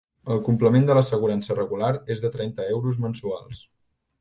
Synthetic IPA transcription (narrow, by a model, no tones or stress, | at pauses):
əlˠkumpləmend̪ələsəɣuɾansərəɣulaɾezðət̪ɾɛnt̪əɛwɾuzmənsua̰lˠs